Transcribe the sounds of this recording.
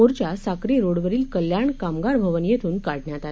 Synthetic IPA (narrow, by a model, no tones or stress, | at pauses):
oɾt͡ɕjasakɾiɾoɽʋəɾiːlkəljaɳkamɡaɾbʱəʋənjet̪ʰuːnkaɽɳjat̪a